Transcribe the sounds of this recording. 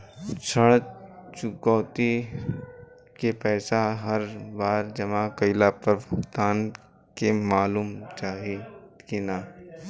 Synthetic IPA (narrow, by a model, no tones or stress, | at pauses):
t͡ʃʰəɽ̃t͡ʃʊkɔːt̪i | kepɛːsaɦɐɾbaːɾd͡ʒɐmakɐɪlapɐɾbʊkt̪aːn | kemaːluːmt͡ʃaːɦikinaː